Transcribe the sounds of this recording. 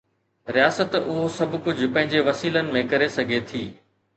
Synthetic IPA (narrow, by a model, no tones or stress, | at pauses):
ɾijaːsət̪ʊɦosɐbʊkʊd͡ʑʱpɐ̃ɦɪ̃ɲd͡ʑeʋɐsiːlənɪ̆mẽkɐɾesɐɡʱet̪ʰiː